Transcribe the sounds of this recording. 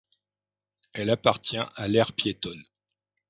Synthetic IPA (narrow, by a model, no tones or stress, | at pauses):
ɛlapaʁt̪jɛ̃ʔalɛʁpjet̪ɔn